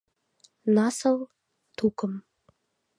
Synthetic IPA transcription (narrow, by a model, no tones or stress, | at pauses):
nɑsɤ̆l | t̪ukə̆m